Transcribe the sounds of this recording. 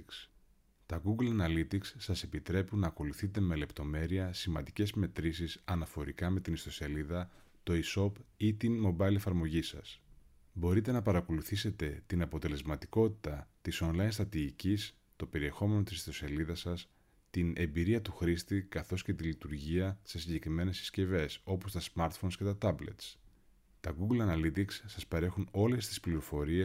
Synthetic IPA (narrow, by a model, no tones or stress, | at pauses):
s | t̪ɐɡuɡlɐnɐlit̪iksːɐse̞pit̪ɾe̞punɐːko̞luθit̪e̞me̞le̞pt̪o̞me̞ɾiɐsimɐ̰nd̪ice̞zme̞t̪ɾisisɐnɐfo̞ɾikɐme̞t̪inist̪o̞se̞liðɐ | t̪o̞iso̞pit̪inmo̞bɐjle̞fɐɾmo̞ʝisɐ̰s | bo̞ɾit̪e̞nɐpɐɾɐko̞luθise̞t̪e̞t̪inɐpo̞t̪e̞le̞zmɐt̪i̥ko̞t̪i̥t̪ɐt̪iso̞nlɐjnst̪ɾɐt̪iicis | t̪o̞pe̞ɾie̞xo̞me̞no̞t̪iso̞seliðɐsɐs | t̪ine̞mbiɾiɐt̪uxɾist̪ikɐθo̞sce̞t̪ilit̪uɾʝiɐse̞siɲɟe̞kɾime̞ne̞si̥sce̞ve̞so̞po̞st̪ɐsmɐɾt̪fo̞nsce̞t̪ɐt̪ɐble̞̰t̪s | t̪ɐɡuɡlɐnɐlit̪iksːɐspɐɾe̞xuno̞le̞st̪i̥spliɾo̞fo̞ɾie